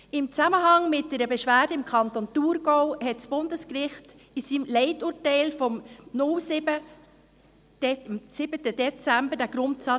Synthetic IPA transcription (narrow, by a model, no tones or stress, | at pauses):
ɪmt͡sæməɦɑŋmɪt̚d̥ɛɾəbɛʃʋæːd̥əɪmkʰɑntontuɾɡ̥owhɛtsb̥ʊndəskɾɪχt | isiːmlɛɪtuːtɛɪlfɔmnʊlsɪbə | msɪbətədɛt͡sæmbəɾdæɡ̥ɾʊntsɑ